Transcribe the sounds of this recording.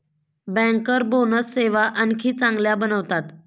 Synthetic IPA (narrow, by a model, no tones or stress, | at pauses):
bɛ̃ŋkəɾbonət͡sseʋaʔənkʰiːt͡sãŋɡljabənəʋt̪at̪